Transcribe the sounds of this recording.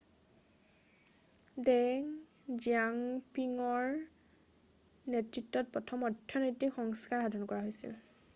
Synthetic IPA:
dɛŋ | ziaŋpiŋɔɹ | nɛtɹitːɔt̚pɹɔtʰɔmɔdʱjɔnɔjtikxɔŋskaɹɦadʱɔnkɔɹaɦojsḭl

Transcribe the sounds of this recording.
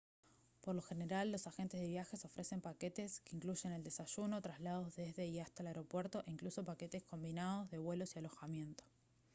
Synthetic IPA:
poɾlo̞xe̞ne̞ɾalːo̞saxe̞nt̪ezðe̞βjaxe̞so̞fɾe̞se̞mpaket̪eskeiŋkluʒe̞ne̞ld̪esaʃuno̞t̪ɾazlað̞o̞zðezðe̞iast̪aelaeɾo̞pwe̞ɾt̪o̞ʔiŋkluso̞pake̞t̪esko̞mbinað̞o̞zðe̞βwelo̞sialo̞xamje̞nt̪o̥

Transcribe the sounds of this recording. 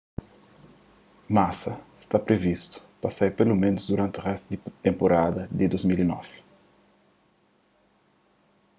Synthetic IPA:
masɐst̪apɾevist̪u̥pɐsajɾpelumẽnʊzd̪uɾãnt̪uʁɛst̪ud̪ɪt̪ẽmpoɾad̪ɐd̪ɪd̪ozmilinɔ̰v̥ɪ̥

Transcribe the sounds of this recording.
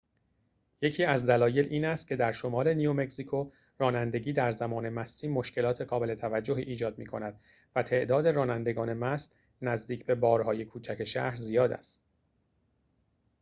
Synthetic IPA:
je̞cʰiːæzd̪ælɒːje̞lʔiːnæst̪̚cʰe̞d̪æɾʃo̞mɒːɾe̞niome̞ksikʰo | rɒːnænd̪e̞ɟiːd̪æɾzæmɒːne̞mæst̪iːmo̞ʃce̞lɒːt̪ʰe̞ɣɒːbe̞le̞t̪ʰævæd͡ʒːo̞ɦḭʔːd͡ʒɒːd̪̚miːkʰo̞næd̪̥ | væt̪ʰe̞ʔd̪ɒːd̪e̞ɾɒːnænd̪e̞ɡɒːne̞mæst̪ | næzd̪iːcʰbe̞bɒːɾɦɒːje̞kʰuːt͡ʃʰæcʰe̞ʃæ̰hɾzijɒːd̪æ̰st̪

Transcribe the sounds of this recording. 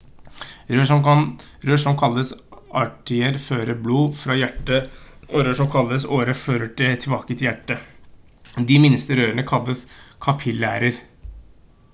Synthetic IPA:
ɾøːʂɔmɾøːʂɔmkʰɑlːəsɑʈɪəɾføːɾəbluːfɾɑjæʈːəɔɾøːʂɔmkʰɑlːəsoːɾəføːɾəʈɪt̪ʰɪlbɑːkət̪ʰɪjæʈːə | d̪ɪmɪnst̪əɾøːɾəɳəkʰɑlːəskʰɑpʰɪlæːɾəɾ

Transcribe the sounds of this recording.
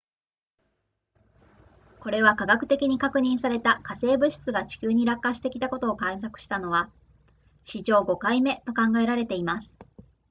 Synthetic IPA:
ko̞ɾe̞βakaɡakɯ̟t̪e̞kʲiɲ̟ikakɯ̟ɲ̟ĩɰ̃saɾe̞t̪akase̞ːbɯ̟ɕi̥t͡sɨɡat͡ɕi̥kʲɨːɲ̟iɾakːaɕi̥t̪e̞kʲit̪ako̞t̪o̞ːkãĩs̬akɯ̟̥ɕi̥t̪ano̞βa | ɕiʑo̞ːɡo̞kaime̞t̪o̞kãŋɡae̞ɾaɾe̞t̪e̞imasɨ̥

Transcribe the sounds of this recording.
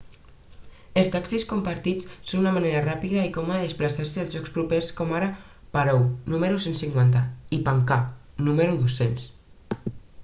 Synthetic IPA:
elˠst̪aksiskumpaɾt̪it͡ssonunamaneɾarapiðɐikɔmaðeðesplasaɾsəːlˠzʒɔkspɾupeskɔmaɾa | paɾownumeɾusensiŋkwant̪aipaŋkanuməɾuðosens

